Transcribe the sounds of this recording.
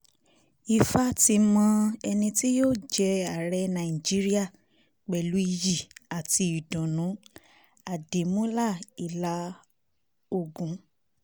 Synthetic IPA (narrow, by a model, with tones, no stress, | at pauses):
i˧fa˦ti˧mã˧ɛ˧nĩ˧ti˦joː˦˨d͡ʒɛ˧a˨ɾɛ˧nã˨i˨d͡ʒi˦ɾi˦a˦˨ | k͡pɛ˨lu˨˦i˧ji˨a˨ti˧i˨dũ˨nũ˨˦ | a˨de˨mũ˦la˦˨i˨la˧˦ | o˧˨ɡũ˨˦